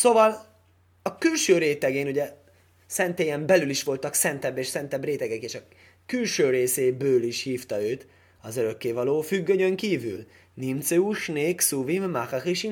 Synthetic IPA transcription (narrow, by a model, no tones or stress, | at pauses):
sovɒl | ɒkylʃøːɾeːt̪ɛɡeːnuɟɛ | sɛnt̪eːjɛmbɛlyliʃʋo̞lt̪ɒksɛnt̪ɛbːeːʃsɛnt̪ɛbreːt̪ɛɡɛkeːʃɒ | kylʃøːɾeːseːbøːliʃhiːft̪ɒøːt̪ | ɒzøɾø̞kːeːvɒloːfyɡːødøŋkiːvy̰l | nimt̪seuʃneːksuvimːaχaχiʃi